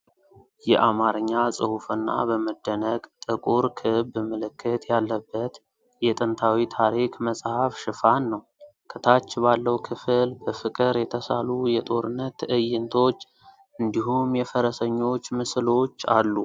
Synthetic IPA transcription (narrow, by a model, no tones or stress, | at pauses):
jɛ̰ʔamaɾɨɲːasʼɨhufɨnːa̰bəməd̪ːənəɡt̪ʼɨkʼuɾkʰɨbɨməlɨkʰːɨt̪jalːəbːət̪ | jɛt̪ʼɨnt̪ʰawit̪ʰaɾikməsʼhafʃɨfanːəw | kʰɨt̪ʰat͡ʃːbalːəwkʰɨfɨlbəfɨkʼɨɾjɛt̪ʰəsa̰lujɛt̪ʼo̞ɾɨnːət̪ʰːɨʔɨjːɪnt̪ʰo̞t͡ʃː | ɨnd̪iɦumjɛfəɾəsəɲːo̞t͡ʃːmɨslo̞t͡ʃːa̰lːu